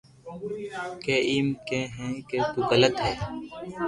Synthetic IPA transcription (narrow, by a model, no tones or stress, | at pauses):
keːiːmkẽːɦɛ̃ːkeːt̪uːɣələt̪ɦɛː